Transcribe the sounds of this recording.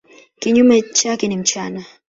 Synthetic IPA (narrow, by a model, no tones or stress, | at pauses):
kʼiɲumɛt͡ʃʼakɛnim̩t͡ʃʰʼaːna